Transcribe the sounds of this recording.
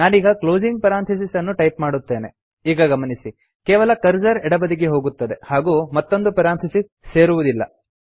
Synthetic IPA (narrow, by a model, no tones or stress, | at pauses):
naːniːɡɐklo̞ːd͡ʒiŋɡ̚pɐɾaːnt̪ʰɐs̬isɐnːuʈɐjp̚maːɽut̪ːe̞ːne̞ | iːɡɐɡɐmɐnisi | keːʋɐlɐkɐɾd͡ʒɐɾɛɽɐbɐd̪iɡeɦo̞ːɡut̪ːɐd̪e̞haːɡuːmɐt̪ːo̞nd̪upɐɾaːnt̪ʰɐsi | se̞ːɾuʋud̪ilːɐ̰